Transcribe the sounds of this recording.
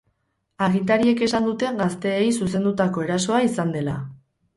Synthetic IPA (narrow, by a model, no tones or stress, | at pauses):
aɣint̪aɾie̞ke̞sand̪ut̪e̞ŋɡast̪e̞ːjsuse̞nd̪ut̪ako̞e̞ɾaso̞aisand̪e̞la̰